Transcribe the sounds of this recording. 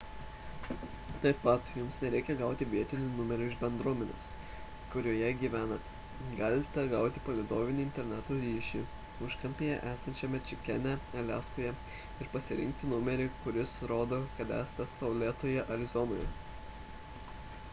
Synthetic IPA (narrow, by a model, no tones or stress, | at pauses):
t̪ɐɪpːɐt̪jʊmsnʲɛɾʲɛɪkʲɛɡɑˑʊt̪ʲɪʋʲiɛt̪ʲɪnʲʊnʊmʲɛɾʲʊɪʒbʲɛnd̪ɾuɔmʲɛnʲḛs | kʊɾʲuːjɛɡʲiːʋʲæːnɐ | ɡɐlʲɪt̪ʲɛɡɑˑʊt̪ʲɪpɐlʲɪd̪oːʋʲɪnʲɪːɪnʲt̪ʲɛɾʲnʲæːt̪oːɾʲiːʃʲi | ʊʃkɐmʲpʲejɛʔæːsɐnʲt͡ʃʲɛmʲɛt͡ʃʲɪkʲɛnʲɛɛlʲæːskoːjɛ | ɪɾpɐsʲɪɾʲɪ̰ŋʲk̚t̪ʲɪnʊmʲɛɾʲɪkʊɾʲɪsɾoːd̪oːkɐt̪æ̰ːst̪ʲɐsɐʊlʲeːt̪oːjɛʔɐɾʲɪzɔno̰ːjɛ̰